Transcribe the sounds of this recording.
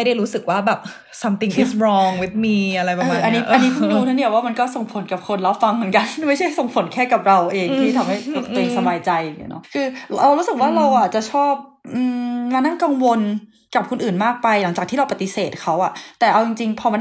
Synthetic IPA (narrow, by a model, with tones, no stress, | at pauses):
m˥jda˥˩jɾuː˦˥sɯ˨˩k̚waː˥˩bɛː˨˩p̚ | sa˧mt̪i˧ŋi˦˥sɾɔː˧ŋwi˦˥t̪̚miː˧ʔa˧ɾa˧jpa˨ɤː˩˨˧ʔa˧nːiː˦˥ʔa˧nːi˦kʰu˧˩ɾuː˦˥t̪ʰa˦˥ni˥˩ɐwaː˥˩ma˧nkɔː˥˩so˨˩ŋpʰo˨˩˦nka˨˩p̚kʰo˧nɾa˦˥p̚fa˧ŋmɯ˩˦nka˧nma˥˩jt͡ɕʰa˥˩jso˨˩ŋpʰo˨˩˦nkʰɛː˥˩ka˨˩p̚ɾa˧wʔeː˧ŋt̪ʰiː˥t̪ʰa˧mha˥˩jt̪o˨˩k̚t̪ɾeː˧msa˧baː˧jt͡ɕa˧jŋḭ˦˥˩nɔ˦˥kʰɯː˧a˧wɾuː˦˥sɯ˨˩k̚waː˥˩ɾa˧wʔa˨˩t̪̚t͡ɕa˨˩ʔt͡ɕʰɔː˥˩p̚ʔɯː˧˩maː˧na˥˩ŋka˧ŋwo˧n | ka˨˩p̚kʰu˧nʔɯː˨˩nmaː˥˩k̚pa˧jla˩˦ŋt͡ɕaː˨˩k̚t̪ʰiː˥˩a˧wpa˧˩t̪i˨˩seː˨˩t̪̚kʰa˦˥wʔa˨˩t̪ɛː˨˩ʔa˧wt͡ɕi˧ŋt͡ɕi˧ŋpʰɔ˧ma˧˥